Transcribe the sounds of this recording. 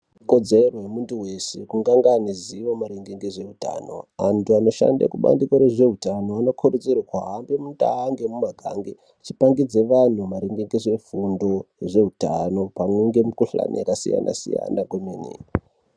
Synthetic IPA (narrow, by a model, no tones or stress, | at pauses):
ikod͡zerojemuntuwe̞sekuŋɡaŋɡaniziʋomaɾiŋɡeŋɡeʐe̞uta̰no̞̰antʰuano̞ʃa̰ndḛkuɓa̰ndikoɾeʐe̞utanoano̞kʰuɾed͡zerwakaɦambemuntaaŋɡemumaɡʱaŋɡe | t͡ʃipaŋɡid͡ze̞ʋan̤umaɾiŋɡeŋɡeʐe̞fundo̞ʐe̞utano̞pameŋɡemukuɬa̰na̰jakasḭja̰nʔa̰sḭja̰nakwomenḭːi